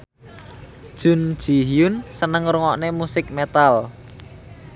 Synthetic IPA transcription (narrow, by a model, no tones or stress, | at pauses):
d̥ʒ̥ʊ̤n̥ʒ̥i̤ɦiʊnsənəŋruŋɔʔnemusɪk̚met̪al